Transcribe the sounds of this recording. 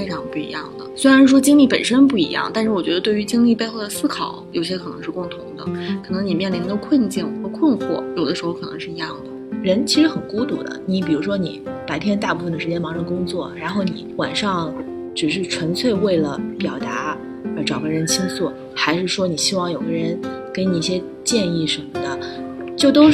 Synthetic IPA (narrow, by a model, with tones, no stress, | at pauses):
fe˥ɪʈ͡ʂʰɑ˧˥ŋpu˥˩ḭ˧˥jɑ̰˥˩ŋd̪ə̰˩swe˥ɪɻa˧nɻ̩˥˩ʂwɔ˥t͡ɕi˥ŋli˥˩pə̰˨˩nʂə˥npu˥˩ḭ˧˥jɑ̰˥˩ŋt̪a˥˧nʂɻ̩˥˩wɔ˨˩t͡ɕɥɛ˧˥ə˧wy˧˥t͡ɕi˥ŋli˥˧pe˥˧ɪxo˥˩ʊd̪ə˩sɹ̩˥kʰɑ˨˩˦ʊjo̰˨˩ʊɕ̬jɛ˥kʰɤ˨˩nɤ˧˥ŋʂɻ̩˥˧kʊ˥˩ŋt̪ʰʊ˧˥ŋd̪ə̰˧kʰɤ˨˩nɤ˧˥ŋni˨˩mjɛ˥˩nli˧˥nɡ̪ə˧kʰwə˥˧nt͡ɕi˥˩nxə˧˥kʰwə˥˧nxwɔ̰˥˩jo˨˩ʊd̪ə˦ʂɻ̩˧˥xo˥˧kʰnɤ˧˥ŋʂɻ̩˥˩i˧˥jɑ˥˩ŋd̪ə˩ɻə˧˥nt͡ɕʰi˧˥ʂɻ̩˧˥xə˨˩nku˥t̪ṵ˥˩d̪ə̰˧˦ni˧˥pi˨˩ɻu˧˥ʂwɔ˥nḭ˨˩˦pa˧˥ɪp̪ʰjɛ˥nt̪̬a˥˧pu˥˩fə˩ŋd̪ə˩ʂɻ̩˧t͡ɕjɛ˥nmɑ˧˥ŋʂɑ˥˩˥kʊ˥ŋt͡swɔ˥˩ɻa˧˥nxo˥˩ʊni˧˥wa̰˨˩nʂɑ˥˩ŋ | ʈ͡ʂɻ̩˨˩ʂ̬ɻ̩˥˩ʈ͡ʂʰwə˧˥nt͡sʰwe˥˧ɪwe˥˩ɪlə˩pjɑ˨˩ʊt̪a˧˥ | ə˧˥ʈ͡ʂɑ˨˩ʊɡə˧˥ɻə˧˥nt͡ɕʰi˥ŋsu˥˩ | xa˧˥ɪʂɻ̩˥˩ʂwɔ˥ni˨˩ɕi˥wɑ˥˩ŋjo˨˩ʊɡə˧˥ɻə˧˥nke˧˥ɪni˨˩i˥˩ɕjɛ˥ | t͡ɕjɛ˥˧ni˥˩ʂə˧˥nmə˩d̪ə˩t͡ɕjo˥˩ʊt̪o˥